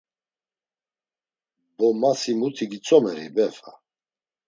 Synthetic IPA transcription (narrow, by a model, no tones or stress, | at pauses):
bɔmasimut̪ʰiɡit͡sʼɔmɛɾḭbɛfa̰